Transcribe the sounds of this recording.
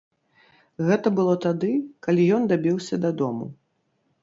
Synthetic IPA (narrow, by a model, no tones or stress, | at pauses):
ɣɛt̪ɐbɨlˠɔt̪ad̪ɨkalʲijɔnd̪abʲiwsʲɐd̪ad̪ɔmṵ